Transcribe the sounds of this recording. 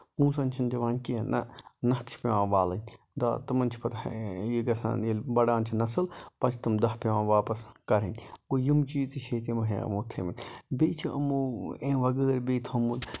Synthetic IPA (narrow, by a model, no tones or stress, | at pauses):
ũːsɐnʲt͡ʃʰɐnd̪ɐʋaːnʲkiɐnɐ̰nɐkt͡ʃʰpʲeʋãːʋaːlɐnʲ | d̪ɐ̰t̪ɨmɐnʲt͡ʃʰi̥pɐt̪ʰjiɡɐsã̰ːnilʲbɐɽãːnt͡ʃʰinɐsɨlpɐt͡ʃʰt̪ɨmd̪ɐhpeʋãːʋaːpɐskɐɾɨnʲkojimt͡ʃiːt͡siʃʰeːt̪imɐɦḛ̃ɐ̰moːt̪ʰeʋinʲbeːt͡ʃʰiɐ̰muːẽːʋɐɡəːɾbeːt̪ʰɐmul